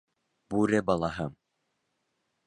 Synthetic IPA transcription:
b̥uɾɘbɑlˠɑɦɤm

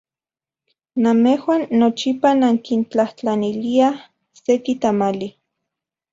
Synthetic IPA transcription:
namehwaːnːot͡ʃipanaŋkint͡ɬaht͡ɬanilia | sekit̪amali

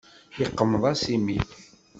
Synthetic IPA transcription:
iqːəmːðˤɑsimiθ

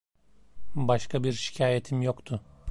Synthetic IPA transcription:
baʃkʰabiɾʃi̥cʰaːjet̪ʰimjo̞kt̪ʰʊ

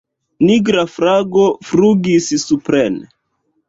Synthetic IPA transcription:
niɡɾafɾaɡofɾuɡissupɾene

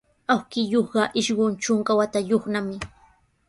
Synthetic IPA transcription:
awkɪjoχɢɑʔɪʃɢont͡ʃʊŋkawat̪ajoχnamɪ

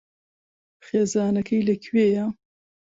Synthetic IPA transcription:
xeːzaːnɐkʰɐjlɐkʰweːja

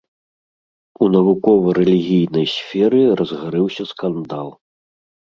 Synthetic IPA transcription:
unɐvukɔvɐɾɛlʲiɣʲijnɐjsʲfʲɛɾɨrɐzɣaɾɨwsʲɐskand̪alˠ

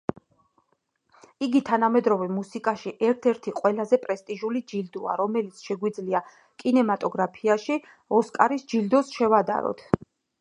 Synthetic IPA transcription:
iɡit̪ʰanamɛd̪ɾɔvɛmusikʼaʃiʔɛɾt̪ʰɛɾt̪ʰiqʼwɛlazɛpʼɾɛst̪ʼiʒulid͡ʒild̪ɔa̰ɾɔmɛlit̪sʰʃɛɡwid̪zlia | kʼinɛmat̪ʼɔɡɾapʰiaʃi | ɔskʼaɾisd͡ʒild̪ɔsʃɛvad̪a̰ɾɔ̰t̪ʰ

